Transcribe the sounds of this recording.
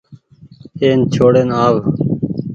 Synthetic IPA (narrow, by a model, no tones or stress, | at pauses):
eːnt͡ʃʰoːɽeːnaːʋ